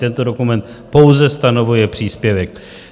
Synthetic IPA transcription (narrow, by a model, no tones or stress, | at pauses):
t̪ɛnt̪o̞do̞kumɛnt̪ | po̞wzɛst̪ano̞vujɛpr̝̥iːspjɛvɛk̚